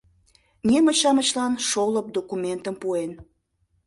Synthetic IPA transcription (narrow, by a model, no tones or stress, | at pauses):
nʲemət͡ɕɑmət͡ɕlɑnʃoləp̚d̪okument̪əmpuen